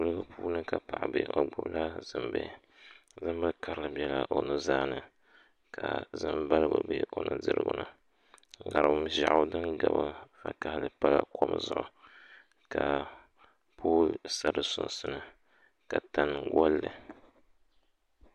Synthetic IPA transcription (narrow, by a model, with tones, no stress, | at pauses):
lɨ˦ɡa˦pʰuː˦nɨ˦ka˨pa˨ʔa˨bḛ˨ʔo˨ɡ͡bʊ˦bla˦z̥ɨ˨mbe˦˨ | zɨ˦m˦bɨ˦ka˦ɾɨ˦lɨ˨bjɛ˨la˨ʔo˨nɨ˦zaː˦nɨ˦ | ka˨zɨ˦mba˦lɨ˦bɨ˨be˦ʔo˨˦nɨ˦dɨ˦ɾɨ̰˨ɡʊ˦nɨ˨ | ŋa˨ɾɨ˨bɨ˦ʒa˦ʔʊ˦dɨ˦nɡa˨bɨ˦fa˦ka˨hlɨ˦pa˦la̰˨kʰo˦m˦zʊ˨ʔʊ˨ | ka˨ | pʰoː˦sa˦ɾɨ˨sʊ̰˦nsɨ˦nɨ˦ | ka˨ta˦nɨ˨ɡɔ˦lːɨ˨